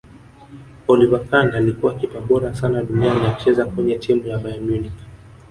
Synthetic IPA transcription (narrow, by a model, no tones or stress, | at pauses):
ɔlivakanaːlikuwakipaɓɔɾasanaɗunianiaut͡ʃɛzakwɛɲɛtʰimujavajamjunik